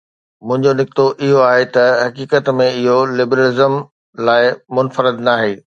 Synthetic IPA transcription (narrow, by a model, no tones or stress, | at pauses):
mʊ̃ɦɪ̃ɲd͡ʑonɪk̚t̪oʔɪɦoaːɦet̪ɐɦɐkiːkət̪mẽɪɦolɪbɾəlɪzəm | laːɪmʊnfəɾɪd̪naːɦeː